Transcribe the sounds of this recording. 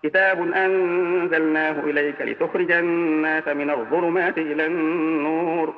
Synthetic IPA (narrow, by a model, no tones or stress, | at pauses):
kɪt̪aːbʊnʔanzalnaːhʊʔɪlajkalɪ̰t̪ʊxɾɪd͡ʒanːaːsamɪnaðˤʊlʊmaːt̪ɪʔɪlanːuːɾ